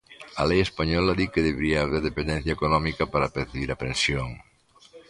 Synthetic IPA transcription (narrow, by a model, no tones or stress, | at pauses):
ɐlejespaɲɔlɐðikeðeβeɾiaːβeɾðepẽnd̪ɛ̃n̟θjɐekonɔmikɐpaɾapeɾθiβiɾɐpensjoŋ